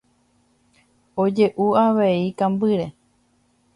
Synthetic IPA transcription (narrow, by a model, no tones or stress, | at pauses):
od͡ʒe̞ʔuaʋe̞ikãmbɨɾe̞